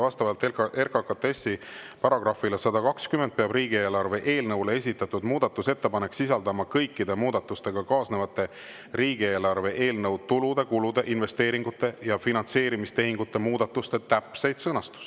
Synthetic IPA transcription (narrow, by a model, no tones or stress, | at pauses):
vɑst̪ɑvɑlt̪ːˑekerkɑkɑt̪ːesːipɑɾɑɡ̥rɑfilesɑd̪̥ɑkɑkskymend̪̥̚peɑbriːɡ̥ie̞ːlɑrve̞ʔe̞ːlnɤwle̞e̞s̬ʲit̪ːˑɑt̪ːˑud̪muːd̪ɑt̪ːˑuse̞t̪ːe̞pɑne̞ksisɑld̪ɑmɑkɤjkːˑid̪emuːd̪ɑt̪ːˑust̪e̞ɡ̥ɑkɑːsne̞vɑt̪ːˑe̞ | ɾiːɡie̞ːlɑrve̞ʔe̞ːlnɤwt̪ulud̪e̞kulud̪̥e̞ʔinve̞st̪e̞ːɾiŋɡut̪ːˑe̞jɑfinɑnse̞ːɾimist̪e̞ɦiŋɡut̪ːe̞muːd̪̥ɑt̪ːˑust̪e̞t̪æpse̞jd̪̥sɤnɑst̪u̥s